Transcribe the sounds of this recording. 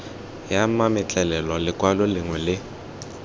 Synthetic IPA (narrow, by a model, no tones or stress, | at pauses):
jamamɪt͡ɬʼɛlɛlɔlɪkʼwalɔlɪŋwɛlɪ